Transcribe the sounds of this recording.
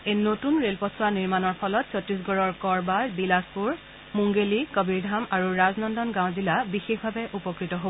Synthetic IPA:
ejnotunɹelpɔsʰwaniɹmanɔɹpʰɔlɔtsɔtɹis̬ɡɔɹɔɹkɔɹbalbilaspuɹ | muŋɡelikɔbiɹdʱamaɹuɹaznɔndɔnɡãw̃zilabixexbʱabɛʔupɔkɹitɔɦobɔ

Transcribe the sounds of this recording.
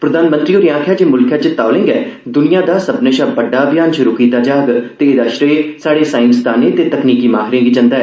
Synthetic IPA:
pɾəd̪aːnmə̃nt̪ɾiːoːɾiãːkʰjaːd͡ʒeːmʊlkʰjaːt͡ʃɪt̪ːaːʊlẽːŋɡɛːd̪ʊnijãːd̪aːsəbneʃaːbəɖːaːbɪjaːnʃʊɾuːkiːt̪aːd͡ʒaːɡt̪eːɪd̪aːʃɾeːsaːɽeːsãːɪ̃ŋkst̪ʰaːnẽːt̪eːt̪əkniːkiːmaːɦɾẽːɡiːd͡ʒə̃nd̪aːɛː

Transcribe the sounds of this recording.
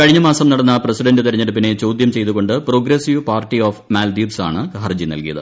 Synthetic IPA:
kɐɻiɲːɐmaːsɐmnɐɽɐnːɐprɐsiɖɐndɨt̪ɐɾɐɲːɐɽup̬ːine̞t͡ɕo̞ːd̪jɐmt͡ɕe̞jt̪uɣo̞ɳɖɨpro̞ːɡɾesiʋpaːrʈːioːfmaːld̪iːbsa̰ːɳɨkɐɦɐrd͡ʑinɐ̰lkijɐ̰ðɨ

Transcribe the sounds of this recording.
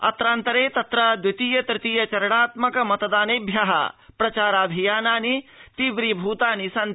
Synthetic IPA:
ɐ̰t̪ɾaːnt̪ɐɾeːt̪ɐt̪ɾɐd̪wɪt̪iːjɐt̪ɾɪt̪iːjɐt͡ʃɐɾɐɽaːt̪mɐkɐmɐt̪ɐd̪aːneːbʱjɐɦɐ̰pɾɐt͡ʃaːɾaːbʱijaːnaːnit̪iʋɾibʱuːt̪aːnisɐn

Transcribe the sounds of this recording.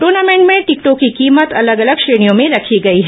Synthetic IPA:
ʈoːɾnaːmẽɳʈmẽʈɪkʈokːikiːmət̪ɐləɡɐləɡʃɾeːɽ̃ijõmẽɾɐkʰiɡɐiɦɛ

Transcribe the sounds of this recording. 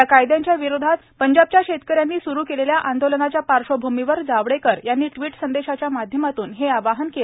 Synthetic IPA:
jakajd̪jaɲt͡ɕjaʋiɾod̪ʱat̪pəɲd͡ʑab̚t͡ɕjaɕet̪kəɾjanːiːsuɾuːkeleljaʔand̪olənat͡ɕjapaɾʂobʱumiʋəɾd͡zaʋɽekəɾjanːiːʈʋiːʈsənd̪eɕat͡ɕjamad̪ʱjəmat̪uːnɦeaʋaɦənkel

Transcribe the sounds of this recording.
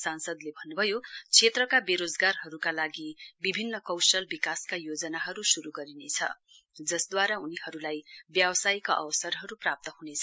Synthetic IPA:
sansʌd̪lebʱʌnːubʱʌjot͡sʰet̪rʌkabeɾod͡zɡarɦʌɾukalaɡibibʱinːʌkʌwsʌlbikaskajod͡zʌnaɦʌɾusuɾuɡʌɾinet͡sʰʌ̰ | d͡zʌsd̪waɾaunihʌɾulajbjabʌsajkaʔʌ̰wʌsʌrɦʌɾuprap̚t̪ʌɦunet͡sʰʌ

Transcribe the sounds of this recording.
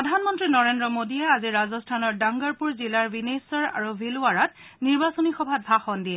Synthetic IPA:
ɹɔdʱanmɔntɹinɔɹendɹɔmodijɛaziɹazɔstʰanɔɹdaŋɡaɹpuɹzilaɹbinesɔɹa̰ɹubʱiluaɹat | niɹbasonixɔbʱat̚bʱaxɔndiɛ

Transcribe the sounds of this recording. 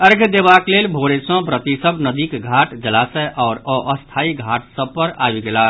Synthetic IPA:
əɾɡʱd̪ebaklelbʱoɾesə̃bɾət̪isəbnəd̪ikɡʱaʈd͡ʒəlasəʔɔʊɾəʔəst̪ʰaiɡʱaʈsəb̚pəɾa̰bɡela

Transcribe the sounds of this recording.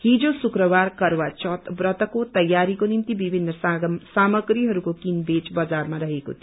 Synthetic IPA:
ɦid͡zosukɾʌbarkʌrwat͡ʃʌt̪brʌt̪ʌkot̪ʌjːaɾikonimt̪ibibʱinːʌssamʌɡɾiɦʌɾukokinbet͡sbʌd͡zarmaɾʌɦeko̰t̪ʰi

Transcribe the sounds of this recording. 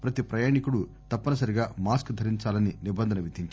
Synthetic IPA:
pɾɐt̪ipɾɐjaːɳikuɽu | t̪ɐpːɐnɐsɐɾiɡaːmaːskd̪ʱɐɾiɲt͡ʃaːlɐninibɐnd̪ʱɐnɐʋid̪ʱiɲt͡ʃ

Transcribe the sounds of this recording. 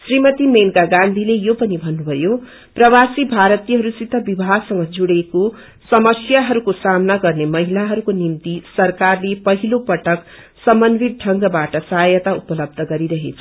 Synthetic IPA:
srimʌt̪imenkaɡãnd̪ʱilejopʌnibʱʌnːubʱʌjo | prʌwasibʱaɾʌt̪ijʌɦʌɾusit̪ːʌbibʱasʌŋɡʌd͡zuɽeko | sʌmʌsjaɦʌɾukosamnaɡʌrnemʌɦilaɦʌɾukonimt̪isʌrkarlepʌɦilopʌʈʌk | sʌmʌnbid̪̚ʈʰʌŋɡʌbaʈʌsʌɦajʌt̪aupʌlʌb̚d̪ʱʌɡʌɾiɾʌɦḛt͡sʰʌ̥

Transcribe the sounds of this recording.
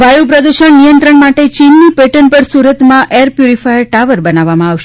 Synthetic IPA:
ʋajupɾəd̪uʃəɳnijənt̪ɾəɳmaʈet͡ʃinːipeʈənpəɾsuɾət̪mãʔeɾpjuɾifajəɾʈaʋəɾbənaʋamãaʋʃe

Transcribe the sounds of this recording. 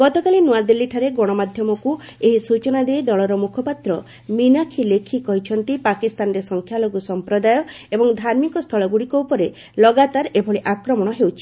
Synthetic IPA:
ɡ̥ɔt̪ɔkalinuad̪ilːiʈʰaɾeɡoɽ̃ɔmad̪ʱjɔmɔku | eɦisut͡ʃɔnad̪ejd̪ɔɭɔɾɔmukʰɔpat̪ɾɔ | minakʰilekʰikɔɦit͡ʃʰɔnt̪ipakist̪anɔɾesɔŋkʰjaloɡusɔmpɾɔd̪ajɔebɔŋd̪ʱaɾmikɔst̪ʰɔɭɔɡuɽikɔwpɔɾe | lɔɡat̪aɾebʰʱɔɭiʔakɾɔmɔɽ̃ɔɦewt͡ʃʰi̥

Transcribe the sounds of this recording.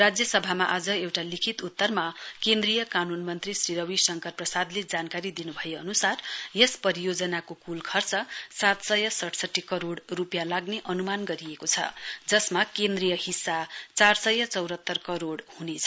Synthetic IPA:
rad͡zjʌsʌbʱamaʔad͡zʌewʈalikʰit̪ut̪ːʌrmakend̪rijʌkanunmʌnt̪risriɾʌwisʌŋkʌrprʌsad̪led͡zankaɾid̪inubʱʌjeʌnusarjespʌɾijod͡zʌnakokulkʰʌrt͡sʌsat̪sʌjʌsʌʈʰsʌʈːikʌɾoɽrupjalaɡneʔʌnumanɡʌɾiekot͡sʰʌ̰d͡zʌsmakend̪rijʌhisːat͡sarsʌjʌt͡sʌwɾʱɦʌt̪ːʌrkʌɾoɽhunet͡sʰʌ

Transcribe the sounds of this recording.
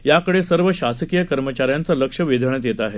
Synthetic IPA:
jakəɽesəɾʋəɕasəkijəkəɾmət͡ɕaɾjant͡saləkʂəʋid̪ʱəɳət̪jet̪aɦe

